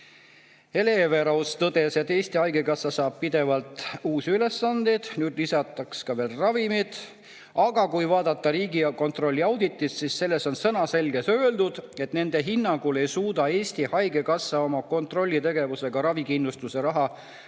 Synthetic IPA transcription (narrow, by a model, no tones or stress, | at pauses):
e̞le̞ve̞ɾɑwst̪ɤd̪̥e̞set̪ːe̞ːsʲt̪ihɑjɡekɑsːɑsɑːb̥̚pid̪e̞vɑlt̪ˑuːsyle̞sːɑnd̪ed̪̥nyːd̪̥lisɑt̪ːˑɑkskɑve̞ːlrɑvimid̪̥ | ɑɡ̥ɑkujvɑːd̪̥ɑt̪ːˑɑɾiːɡiko̞nt̪ro̞lʲːiɑwd̪̥it̪ːˑississe̞lːe̞so̞nsɤnɑse̞lɡ̥e̞sø̞ːld̪̥ud̪̥e̞t̪ne̞nd̪̥e̞ɦinːɑŋɡule̞jsuːd̪̥ɑe̞ːsʲt̪ihɑjɡe̞kɑsːɑo̞mɑko̞nt̪ro̞lʲːit̪e̞ɡ̥e̞vuse̞ɡ̥ɑɾɑvikinlust̪use̞ɾɑɦɑ